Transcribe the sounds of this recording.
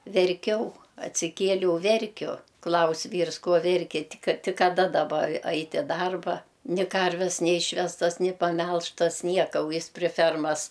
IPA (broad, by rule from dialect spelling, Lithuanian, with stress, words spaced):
ʋʲɛrʲˈkʲɛʊ ɐtʲsʲɪˈkʲiɛlʲɛʊ ˈʋʲɛrʲkʲʊ ˈklˠɐʊsʲ ˈʋʲiːrs ˈkoː ˈʋʲɛrʲkʲɪ ˈtʲɪk ˈtʲɪk kɐˈdɐ dɐˈbɐ ˈɐɪtʲ ɪ ˈdɐrbɐ nʲɪ ˈkɐrʲʋʲɛs nʲɛˈiːʃʲʋʲɛstɐs nʲɪ pɐˈmʲɛlˠʃtɐs ˈnʲiɛkɐ ʊ ˈjɪs pʲrʲɪ ˈfʲɛrmɐs